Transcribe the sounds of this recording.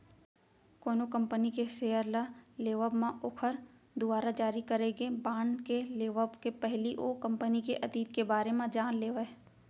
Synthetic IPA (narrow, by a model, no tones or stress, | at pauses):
koːnokɐ̃mpənikeʃeːəɾlaleːʋəbmãʔokʰəɾ | d̪ʊbaːɾad͡ʒaːɾikɐɾeɡebaːɳkeleːʋəbkepɛɦliʔokɐ̃mpənikeʔɐt̪iːt̪kebaːɾemãd͡ʒaːnleːʋə